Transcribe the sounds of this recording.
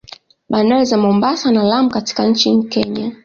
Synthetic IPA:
ɓandaɾizamɔmbasanalamukati̥kan̩t͡ʃikɛɲa

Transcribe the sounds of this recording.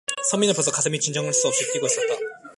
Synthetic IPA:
sʰʌmːinɯɭpʌsʰʌkasʰɯmit͡ɕind͡ʑʌŋɯɭs͈uʌp̚ɕ͈ik͈iɡois͈ʌt̚t͈a

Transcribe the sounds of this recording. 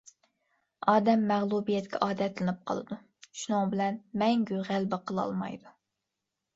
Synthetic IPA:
ɑːd̪ɛmːæʁlˠubijɛt̪kʲʰɛʔɑːd̪ɛt̪ʰlɪnɨp̚qʰɑlˠɨ̰d̪u | ʃunʊŋbɪlɛnmɛŋɡʲyʁælbɪqʰəlˠɑ̰lˠmɑ̰jd̪u

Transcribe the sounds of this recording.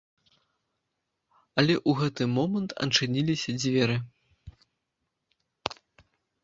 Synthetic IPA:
ɐlʲɛʔuɣɛt̪ɨmɔmɐnt̪ʰɐ̰nt͡ʂɨnʲilʲisʲɐd͡zʲvʲɛɾɨ

